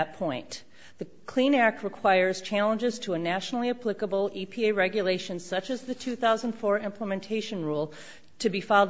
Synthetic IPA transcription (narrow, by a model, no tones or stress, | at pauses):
t̚pʰɔ̃ɪ̃n | ðɨ | kʰl̥ĩnæk̚t̚ɹɨkʰw̥aɪə˞z̥t͡ʃʰælˠə̃nd͡ʒɨz̥tʰəːnæʃnl̩ˠiɨpʰl̥ɪkəbl̩ˠipʰieɪɹɛɡjɨleɪʃɨ̃nz̥sʌt͡ʃɨzðɨtʰʉθaʊzə̃n̩d̥fɔɹɪ̃mpʰləmɨ̃ntʰeɪʃɨ̃nɹulˠ | tʰɨbifaɪlˠ